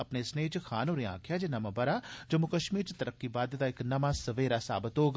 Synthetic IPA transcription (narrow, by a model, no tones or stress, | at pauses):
ɐpneːsneːt͡ʃkʰaːnoːɾeã̰ːkʰjaːd͡ʒenɐmabɐɾaːd͡ʒɐmʊkəʃmiːɾt͡ʃt̪ɐɾəkːibaːd̪t̪aːɪknɐmasɐʋeːɾasa̰ːbət̪oːɡ